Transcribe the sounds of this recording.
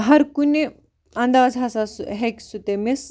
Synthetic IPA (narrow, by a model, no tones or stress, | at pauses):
ɦɐɾkune | ɐ̃nd̪aːzɦɐsasɦekʲsut̪emes